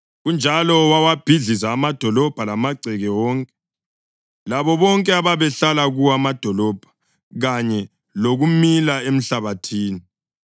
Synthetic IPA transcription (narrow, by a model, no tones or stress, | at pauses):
ɣund͡ʒʱalɔwawab̥ʱiɮizaːmad̥ʱɔlɔb̥ʱalamaɡ͡ǀʱɛɣɛwɔːŋkʼɛ | laβɔβɔŋkʼɛaβaβɛɬalaɣuwamad̥ʱɔlɔb̥ʱḁ | ɣaɲɛ | loɣumilaem̩ɬaβatʰiːni